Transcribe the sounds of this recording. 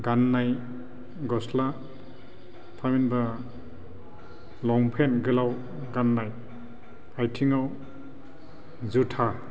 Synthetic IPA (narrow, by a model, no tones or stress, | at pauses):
ɡanːaj | ɡɔsla | tʰaminba | lɔŋpʰenɡɯlaw | ɡanːaj | ajtʰiŋaw | zutʰa